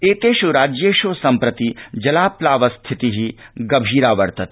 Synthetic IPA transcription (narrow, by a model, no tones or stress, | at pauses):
eːt̪eːʃuɾaːd͡ʒjeːʃoːsɐmpɾɐt̪id͡ʒɐlaːplaːʋɐst̪ʰɪt̪iɦiɡɐbʱiːɾaːʋɐɾt̪ɐt̪